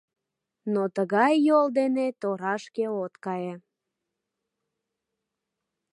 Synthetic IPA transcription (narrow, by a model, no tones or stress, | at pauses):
not̪əɣɑjːold̪enet̪oɾɑʃkeot̪kɑje